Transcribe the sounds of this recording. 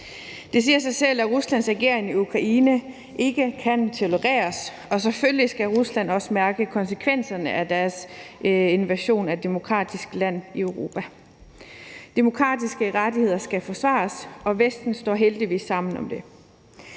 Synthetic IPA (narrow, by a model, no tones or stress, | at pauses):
d̥e̝s̬iːɐsɑ̈ɪsel̰æʁuslæn̰sʁɛɡ̥e̝ɐ̰e̝ŋiukʰʁɑ̈ʔiːnə | ʔe̝ɡ̥əkʰænt͡sʰo̝loʁɛ̰ːɐs | ɒ̽s̬eføllisɡ̥æʁuslæn̰ɒ̽səmæɐɡ̥əkʰɒ̽nsəkʰʋen̰sɐnəʔæd̥æɐs | e̝nʋæɕo̝̰ːnæd̥e̝mo̝kʰʁɑ̰̈ːd̥isɡ̥læn̰iøʊʁo̝ːpʰæ | d̥e̝mo̝kʰʁɑ̰̈ːd̥isɡ̥əʁad̥ihe̝ð̞̰ˠɐsɡ̥æfɒ̽sʋɑ̰̈ːsɒ̽ʋesd̥n̩sd̥ɒ̰ːɦeld̥iʋḭːsːɑ̈m̰n̩ɒ̽md̥e̝